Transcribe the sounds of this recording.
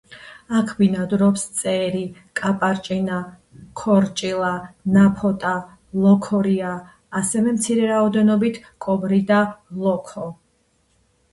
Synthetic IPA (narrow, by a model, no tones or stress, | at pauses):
akʰbinad̪ɾɔpst̪sʼɛɾikʼapʼaɾt͡ʃʼina | kʰɔɾt͡ʃʼilˠanapʰɔt̪ʼa | lˠɔkʰɔɾiaː | sɛvɛmt̪sʰiɾɛɾaɔd̪ɛnɔbit̪ʰkʼɔbɾid̪alˠɔkʰɔ